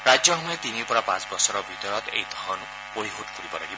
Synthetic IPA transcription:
ɾad͡zjʌɦɔmɔet̪inipuɾapãt͡sbɔsɔɾɔbʱit̪ɔɾɔt̪ḛjd̪ʱɔn | pojɦoʈ̚pʰuɾibɔla̰ɡi

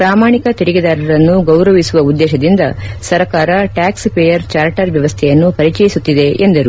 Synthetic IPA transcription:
pɾaːmaːɳikɐt̪iɾiɡid̪aːɾɐɾɐnːuɡɐwɾɐʋisuʋɐud̪ːɛːʃɐd̪ind̪ɐsɐɾɐkaːɾɐʈaːkspejɐɾt͡ʃaːɾʈɐɾʋjɐʋɐst̪ʰɛjɐnːupɐɾit͡ʃɛjisut̪ːid̪e̞end̪ɐɾu

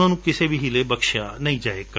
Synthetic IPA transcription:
ãːnũːkɪseːbʱiɦɪlebəkʃaːnəĩːd͡ʒaːek

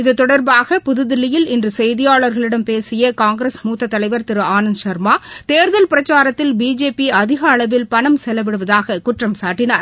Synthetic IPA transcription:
ɪðɯt̪ːɔɽɐɾbaːɣɐpʊðɯðɪlːɪjɪlɪndrɯsɛjðɪjaːɭɐɾɣɐɭɪɽɐmpeːsɪjɐkaːŋɡɾɐsmuːt̪ːɐt̪ːɐlɐɪʋɐɾt̪ɪɾɯaːnɐnʃɐɾmaːt̪eːɾðɐlpɪɾɐt͡ʃːaːɾɐt̪ːɪlbiːd͡ʒeːpiɐðɪɣɐːɭɐʋɪlpɐɳɐmsɛlːɐʋɪɽɯʋɐðaːɣɐkʊʈrɐmsaːʈːɪnaːɾ

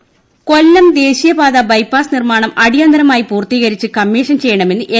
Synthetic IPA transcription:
ko̞lːɐmd̪e̞ːɕijɐbaːðɐbɐjpːaːsnirmaːɳɐmʔɐɽijɐnd̪ɐɾɐmaːjipuːrt̪iːɣɐɾit͡ɕːɨkɐmːiːʂɐnt͡ɕe̞jːɐɳɐme̞nːɨʔe

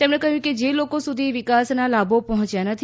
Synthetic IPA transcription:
t̪emɽekəɦjũked͡ʒelokosud̪ʱiʋikasnalabʱopɔɦɔ̃t͡ʃjanət̪ʰi

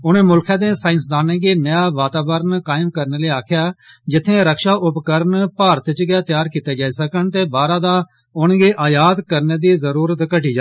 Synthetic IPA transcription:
ʊnẽːmʊlkʰãːd̪ẽːsaːɪnsd̪aːnẽːɡeːnəjaːʋaːt̪aːbəɾnkaːɪmkəɾneːleːaːkʰjaːd͡ʒɪt̪ʰːẽːɾəkʃaːʔʊpkəɾnpaːɾt̪t͡ʃɡaːt̪jaːɾkiːt̪eːd͡ʒaːiːsəkənt̪eːbaːɾãːd̪aː | ʊnɡeːʔaːjaːd̪kəɾneːd̪iːzəɾuːɾət̪kəʈiːd͡ʒa

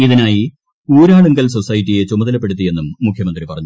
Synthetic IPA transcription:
iðinaːji | uːɾaːɭuŋɡɐlso̞sɐjitːije̞t͡ɕumɐðɐlɐp̬ːe̞ɽut̪ːije̞nːumːukʰjɐmɐnd̪ripɐrɐɲːu

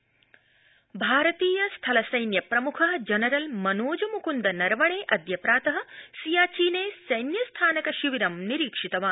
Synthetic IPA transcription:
bʱaːɾɐt̪iːjɐst̪ʰɐlɐsɐjnjɐpɾɐmukʰɐɦɐd͡ʒɐnɐɾɐlmɐnoːd͡ʒɐmukund̪ɐnɐɾʋɐɳeːʔɐd̪ʱjɐpɾaːt̪ɐɦɐ̆sijaːt͡ʃiːneːsɐjnjɐst̪ʰaːnɐkɐʃiʋiɾɐmniɾiːkʂit̪ɐʋaː

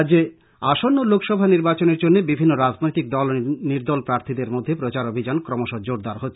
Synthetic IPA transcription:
d͡ʑe | aʃonːolokʰʃɔbʱaniɾbat͡ɕoneɾd͡ʑonːebibʱinːoɾad͡ʑnojt̪ik̚d̪ɔlniɾd̪ɔlpɾaɾt̪ʰid̪eɾmod̪ʱːepɾot͡ɕaɾobʱid͡ʑankɾɔmoʃod͡ʑoɾd̪aɾɦotːʰe̥

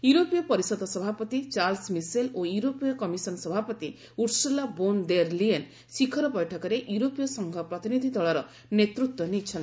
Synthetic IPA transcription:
juɾopijɔpɔɾisɔd̪ɔsɔbʱapɔt̪it͡ʃaɾlsmiselojuɾopijɔkɔmisɔnsɔbʱapɔt̪i | uɾsulabond̪eɾlien | sikʰɔɾɔpɔjʈʰɔkɔɾeʔjuɾopijɔsɔŋɡʱɔpɾɔt̪inid̪ʱid̪ɔɭɔɾɔ | net̪ɾut̪wɔnit͡ʃʰɔnt̪

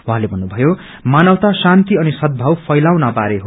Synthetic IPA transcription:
wɦãlebʱʌnːubʱʌjo | manʌwt̪asant̪iʌnisʌt̪̚bʱʌwpʰʌjlawnabaɾeɦo

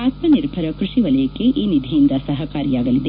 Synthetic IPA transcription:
aːt̪mɐniɾbʱɐɾɐkɾiʂiʋɐlɐjɐkːeʔiːnid̪ʱijind̪ɐsɐɦɐkaːɾijaːɡɐlid̪e

